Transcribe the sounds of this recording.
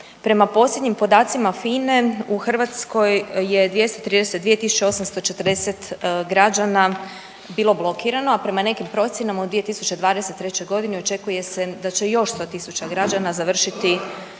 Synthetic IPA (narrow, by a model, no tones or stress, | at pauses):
pɾe̞mapo̞slje̞d̪ɲimpo̞d̪aːt̪simafine̞uxr̩ʋat̪sko̞jːe̞d̪ʋje̞st̪ot̪ɾiːd̪eset̪d̪ʋije̞t̪isu̥t͡ɕeo̞samst̪o̞t͡ʃe̞t̪rd̪ese̞t̪ɡɾad͡ʑana | biːlˠo̞blˠo̞kiɾano̞apɾe̞mane̞kimpɾo̞t̪sʲje̞namaud̪ʋije̞t̪isut͡ɕe̞d̪ʋaːd̪ese̞t̪ːɾe̞t͡ɕo̞jɡo̞d̪ineo̞t͡ʃe̞kuje̞se̞d̪at͡ɕe̞jo̞ʃst̪o̞ːt̪isut͡ɕaɡɾad͡ʒanazaʋr̩ʃit̪i